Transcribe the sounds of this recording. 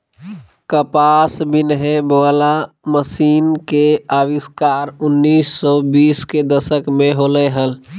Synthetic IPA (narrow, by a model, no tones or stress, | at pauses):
kəpaːsbʱinɦẽbəʋəla | məsiːnkeaʋɪskaːɾʊnːiːsːɔbiːsked̪əʃəkmẽɦoləɦəl